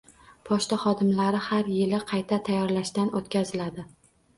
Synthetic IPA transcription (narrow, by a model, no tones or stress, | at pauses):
pʰɒʃt̪aχɒd̪ɪmlaɾɪhaɾjɪlɪqʰɑjt̪ʰat̪ʰajːɒɾlaʃt̪anot̪̚kʲazɪlad̪ɪ